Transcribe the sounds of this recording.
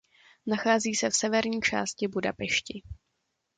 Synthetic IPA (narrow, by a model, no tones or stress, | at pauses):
naxaːziːsɛfsɛvɛɾɲiːt͡ʃa̰ːscɪbudapɛʃcɪ